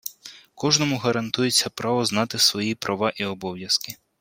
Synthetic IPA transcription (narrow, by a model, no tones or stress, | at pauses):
kɔʒnɔmʊɦɐɾɐnt̪ujet͡sʲːɐpɾɑʋɔznɑt̪ɪsʋɔjipɾɐʋɑʔiɔbɔwjɐskɪ